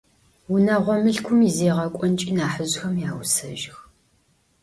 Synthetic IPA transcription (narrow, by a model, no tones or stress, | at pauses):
wunɐʁʷɔmɨɬkʷʰʊmizeːʁɐkʷʼɔnt͡ʃʼiːnaːħəʑxɐmjaːwsɐ̰ʒɪx